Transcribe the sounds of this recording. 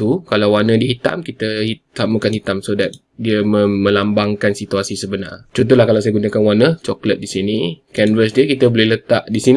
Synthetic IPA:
t̪ukalawwanə̃diɦit̪a̰mkit̪əhisamakanhit̪amsodat̪̚ | diəməəlambaŋkansit̪uasisəbəna̰rt͡ʃɔnt̪ɔlahkalawsajaɡunakanwanət͡ʃɔklət̪̚disinikɛnvəs̬diəkit̪əbolɪhlət̪a̰ʔdisin

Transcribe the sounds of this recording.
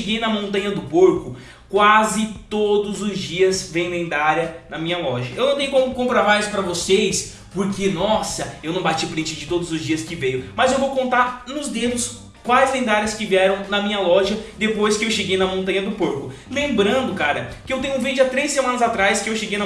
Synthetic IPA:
eɡejnɐmõnt̪ɐ̃ɲɐd̪ʊpoɾkʊ | kwazɪt̪od̪ʊzʊzd͡ʒiɐzvẽj̪̃ẽnd̪aɾjɐnɐmĩɲɐlɔʒɐewnɐ̃t̪ẽj̃ʊkõmʊkõmpɾamajspɾɐvosejs | poɾkenɔsɐewnɐ̃w̃bat͡ʃipɾĩt͡ʃɪd͡ʒɪt̪od̪ʊzʊzd͡ʒiɐskɪvejʊmɐzewvowkõnt̪aɾnʊzd̪ed̪ʊs | kwajzẽnd̪aɾjɐskɪviɛɾɐ̃w̃nɐmĩɲɐlɔʒɐd̪epojskɪewʃeɡejnɐmõnt̪ɐ̃ɲɐd̪ʊpoɾkʊlẽmbɾɐ̃nd̪ʊkaɾɐkɪewt̪ẽɲ̃ʊ̃vẽd͡ʒɐt̪ɾejsemɐ̃nɐzat̪ɾajskɪewʃeɡejnɐ

